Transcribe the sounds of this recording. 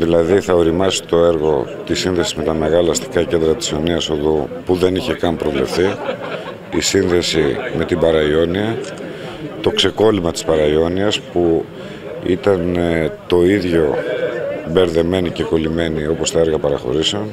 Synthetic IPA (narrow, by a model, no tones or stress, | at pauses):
ðilɐðiθɐo̞ɾimɐsi̥t̪o̞e̞ɾɣo̞t̪isinðe̞sizme̞t̪ɐme̞ɣɐlɐst̪i̥kɐcend̪ɾɐt̪i̥soniɐsoðupuðe̞niçe̞kɐmpɾo̞vle̞fθi | isinðe̞sime̞t̪ibɐɾɐio̞niɐ | t̪o̞kse̞ko̞limɐt̪i̥spɐɾɐio̞niɐspu | it̪ɐnt̪o̞iðʝo̞ | be̞ɾðe̞me̞nice̞ko̞lime̞nio̞po̞st̪ɐe̞ɾɣɐpɐɾɐxo̞̰ɾiseo̞n